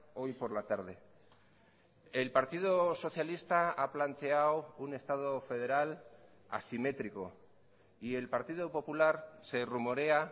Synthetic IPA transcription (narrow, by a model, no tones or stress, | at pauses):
o̞jpo̞ɾlat̪aɾð̞e̞ | e̞lpaɾt̪iðoso̞θjalist̪aaplant̪e̞awune̞st̪að̞o̞fe̞ð̞e̞ɾal | a̰sime̞t̪ɾiko̞ | ie̞lpaɾt̪iðopo̞pulaɾse̞rumo̞ɾe̞a